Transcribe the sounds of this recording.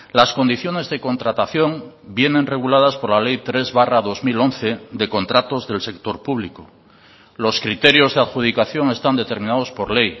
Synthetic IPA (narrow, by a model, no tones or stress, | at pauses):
lasko̞nd̪iθjo̞ne̞zðe̞ko̞nt̪ɾat̪aθjo̞ŋ | bje̞nẽ̞nre̞ɣ̞ulað̞aspo̞ɾlale̞jt̪ɾe̞zβaraðo̞zmilo̞nθe̞d̪e̞ko̞nt̪ɾat̪o̞zðe̞lse̞k̚t̪o̞ɾpuβliko | lo̞skɾit̪e̞ɾjo̞zðeaðxuð̞ikaθjo̞ŋe̞st̪and̪e̞t̪e̞ɾmĩnað̞o̞spo̞ɾle̞j